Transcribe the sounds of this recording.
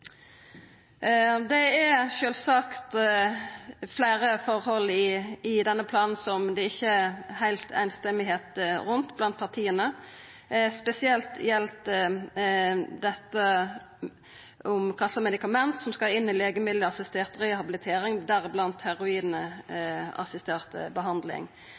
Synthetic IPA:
d̪ɛɛʃøːlsɑkt̪ | flæɪɾəfɔɾhɔlːɪɪd̪ɛnːəpʰlɑːnn̩sɔmd̪ɛɪçːəæhæɪlt̪ʰæ̰ɪnst̪ɛmːɪɦeːt̪ʁʉnt̪blɑnt̪̚pʰɑʁt̪ʰiːənə | spɛsɪɛlt̪jɛlt̪ | d̪ɛt̪ːə | ʔʊmkʰɑsləmɛd̪ɪkɑmɛnt̪sɔmskɑɪnːɪleːɡəmɪd̪lɪɑsɪst̪eːʁt̪ʁɛhɑbɪlɪt̪ʰeːɾɪŋd̪æʁblɑnt̪hæɾʊiːd̪n̩ə | ɑ̰sɪst̪eːʁt̪ə̰bəɦɑnd̪lɪ̰ŋ

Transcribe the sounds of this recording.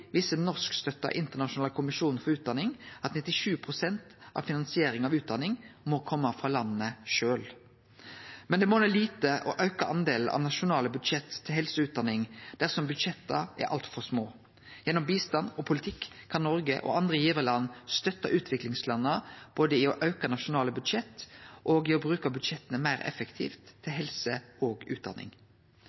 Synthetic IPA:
ʋɪsənɔʁskst̪œt̪ːɑ̰ʔɪnt̪ənɑʂʊnɑːləkʰʊmɪʂuːnnfɔʁʉːt̪̚d̪ɑnɪŋɑt̪nɪt̪ːɪʂʉːpʰʁʊsɛnt̪ʔɑ̰ʋfɪnɑnsɪeːɾɪŋɑʋʉːt̪̚d̪ɑnɪŋmɔkʰɔmːəfʁɑlɑnːəʃøːl | mɛnd̪ɛmɔnɛːliːt̪əʔɔ̰ʔɑʉkɑʔɑnd̪eːln̩ʔɑ̰ʋnɑʃʊnɑːləbʉd̪ʂɛt̪ʰːɪlɦɛlsəʉːt̪̚d̪ɑnɪŋd̪̥æʁsɔmbʉd̪ʂɛt̪ːɑɛ̰ɾʔɑ̰lt̪fɔʁsmoː | jɛnːɔmbiːst̪ɑnɔpʰʊlɪt̪ʰɪkːkʰːɑnːɔɾɡəʔɔ̰ʔɑnd̪ʁəjiːʋəlɑnːst̪œt̪ːɑʔʉːt̪ʰʋɪklɪŋslɑnːəb̥oːd̪əɪɔʔɑʉkɑnɑʃʊnɑːləbʉd̪ʂɛt̪ʔɔːɡɪɔbɾʉːkɑbʉd̪ʂɛt̪ːənəmæɪɾɛ̰fəkt̪ʰḭːft̪ʰːɪlɦɛlsəɔːɡʉːt̪̚d̪ɑ̰nɪ̰ŋ

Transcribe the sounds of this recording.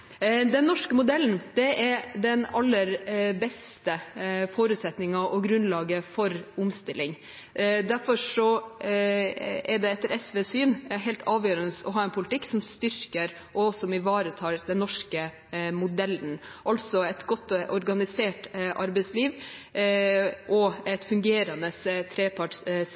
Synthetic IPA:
d̪ɛnːɔʂkəmʊd̪ɛlːn̩d̪̥ɛɛɾd̪ɛnɑlːəɾbɛst̪əfoːɾʉːt̪sɛt̪nɪŋɑʔɔɡɾʉnlɑːɡəfɔɾʊmst̪ɪlɪŋ | d̪æɾfɔʂɔ | ɛɖ̪ɛɛt̪ːəɾɛsʋeːsyːnɦɛɪlt̪ʰɑːʋjøːɾənəsɔɦɑːɛnpʰʊlɪt̪ɪkːsɔmst̪ʏɾkəɾ | ʔɔsɔmɪʋɑːɾət̪ʰɑːɾd̪ɛnːɔʂkə | mʊd̪ɛlːnʔɑlsɔɛt̪ɡɔt̪ːʔɔɾɡɑnɪseːʈʔɑɾbɛɪsliːʋ | ʔɔɛt̪fʉŋɡeːɾɑnəst̪ʰɾeːpʰɑʈs

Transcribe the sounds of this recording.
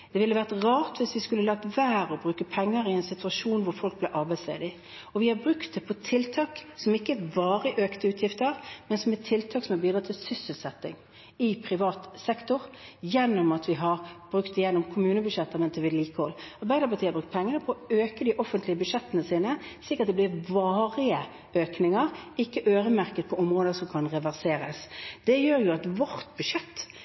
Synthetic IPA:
d̪̥ɛʋɪlːəʋæʁt̪ʁɑːʁt̪ʋɪsʋɪskʉlːəlɑɡ̚t̪ʋæːɾɔbʁʉːkəpʰɛŋːəɾɪɛnsɪt̪ʰʉɑʂuːnʋʊɾfɔlk̚blɛʔɑʁbæɪslḛːd̪ɪ | ɔʋɪhɑbɾʉkt̪̚d̪ɛpʰɔt̪ʰɪlt̪ʰɑːksɔmɪkːəæɾbɑːɾəʔøːkt̪əʉːt̪ʰjɪft̪əɾmɛnsɔmɛtt̪ʰːɪlt̪ʰɑːksɔmɑɾbiːd̪ɾɑːt̪ʰɪlsʏsəlsɛt̪ːɪ̰ŋ | ɪpʰʁɪʋɑːt̪sɛkt̪ʊʁjɛnːɔmɑt̪ʋɪɦɑʁb̥ɾʉkt̪ɪjɛnːɔmkʰʊmʉːnəbʉʂɛt̪ːɑɾmɛnt̪ɛʋɪlliːkəhɔlːɑʁbæɪd̪əpɑʁt̪iːɑɾbʁʉkt̪̚pʰɛŋːənəpʰɔɔøːkəd̪ɪʔɔfənt̪lɪəbʉʂɛt̪ːənəsiːnəslɪkːəʁt̪̚d̪ɛb̪ɪɾʋɑːʁɪə | øːknɪŋəʁɪkːəʔøːɾəmæʁkət̪̚pʰɔɔmʁoːd̪əsɔmkʰɑnʁɛʋæʁseːɾəsd̪̥ɛjøːɾjʊɑt̪ʋɔʁt̪bʉʂɛt̪ː

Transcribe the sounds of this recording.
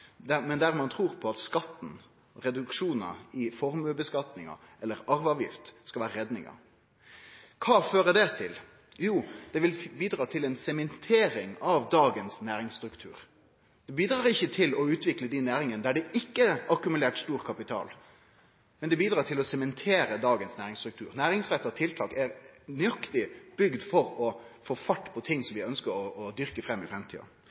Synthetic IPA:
d̪æmɛnd̪æʁmɑnt̪ʰɾuːʁpʰɔɑt̪skɑt̪ːn̩ | ɾɛd̪ʉkʂuːnɑ̰ɪfɔɾmʉbəskɑt̪nɪŋɑ̰ʔɛlːəɾɑɾʋɑːʋjɪ̰ft̪skɑlʋæːɾəɾɛd̪nɪ̰ŋɑ̰ | kʰɑːføːɾəd̪ɛt̪ʰɪl | juːd̪̥ɛʋɪlbiːd̪ɾɑːt̪ʰɪlɛnsɛmɛnt̪ʰeːɾɪŋɑʋd̪ɑːɡənsnæːɾɪŋst̪ɾʉkt̪ʰʉ̰ːʁ | d̪̥ɛbiːd̪ɾʁɑːʁɪçːət̪ʰɪlɔʉːt̪ʰʋɪkləd̪ɛnæːɾɪŋənd̪æɖɛʔɪkːəɑkʉmʉleːʈst̪uːʁkʰɑpɪt̪ʰɑ̰ːl | mɛnd̪ɛbiːd̪ɾɑːʈʰɪlɔsɛmɛnt̪ʰeːɾəd̪ɑːɡənsnæːɾɪŋst̪ɾʉkt̪ʰʉ̰ːɾnæːɾɪŋsɾɛt̪ːət̪ʰɪlt̪ʰɑːkæɾnʏɑkt̪ɪb̥ʏɡd̪fɔɾɔfoːfɑʈːpʰɔt̪ʰɪŋːsɔmʋɪœnskəɾɔɔd̪ʏʁkəfɾɛmːɪfɾɛmt̪ʰḭːɑ̰

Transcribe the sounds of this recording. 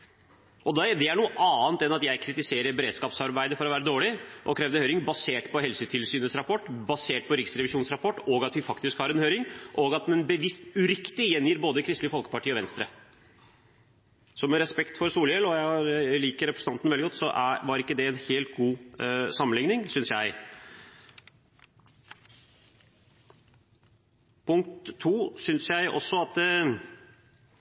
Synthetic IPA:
ʔɔd̪ɛd̪ɛæɳuːəʔɑːnt̪ɛnɑt̪jæɪkʰɾɪt̪ɪseːɾəɾbɛɾeːd̪skɑːpsɑɾbæɪd̪əfɔɾɔʋæːɾəd̪oːɭɪʔɔ̰kʰɾɛːʋd̪əhøːɾɪŋbɑseːʈpʰɔɦɛlsət̪ʰɪlsyːnəsɾɑpʰɔʈːbɑseːʈ̚pʰɔɾɪksɾɛʋɪʂuːnsɾɑpʰɔʈːɔɡɑt̪ʋɪfɑkt̪ɪskhɑɾɛnhøːɾɪŋʔɔːɡɑt̪mɛnbəʋɪst̪ʉɾɪkt̪ɪjɛnjiːɾboːd̪əkʰɾɪst̪lɪəfɔlkə̥pɑʈiːɔʋɛnst̪ɾə̰ | sɔmɛɾɛspɛkt̪fɔɾsuːljɛlɔjæliːkəɾɛpɾəsənɑnnʋɛldɪɡɔt̪sɔʔæ̰ʋɑɾɪkːəd̪ɛɛnheːlt̪̚ɡuːsɑmənɪŋnɪŋsʏnsjæɪ | pʰʊŋkt̪ʰːuːsʏnsjæɪʔɔ̰sːɔɑt̪

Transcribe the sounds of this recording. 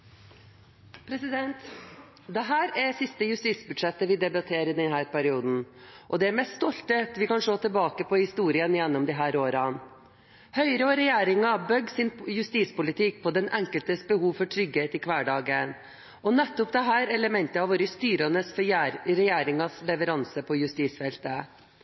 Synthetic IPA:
pʰɾɛsɪd̪ɛnt̪ | d̪ɛɦæːɾæsɪst̪əjʉst̪iːsbʉd̪ʂɛt̪ːəʋɪd̪ɛbɑt̪ʰeːɾɪd̪ɛnɦæːɾpæɾɪuːd̪n̩ʔɔd̪ɛæɾmɛsst̪ɔlt̪ət̪ʋɪkɑnʂoːt̪ʰɪlbɑːkəpʰɔhɪst̪uːɾɪənjɛnːɔmd̪ɪɦæːɾoːɾɑ | hœʏɾəɔɾɛjeːɾɪŋɑbœɡːsɪnjʉst̪iːspʊlɪt̪ʰɪk̚pʰɔd̪ɛnɛŋkəlt̪əsbəhuːʋfɔʈʰɾʏɡheːt̪ɪkʰʋæːɖɑːɡən | ʔɔnɛt̪ːʊpd̪ɛɦæːɾɛləmɛnt̪əɑʋoːɾəst̪yːɾɑnəsfɾɛjeːɾɪŋɑslɛʋəɾɑnsəpʰɔjʉst̪iːsfɛlt̪ə

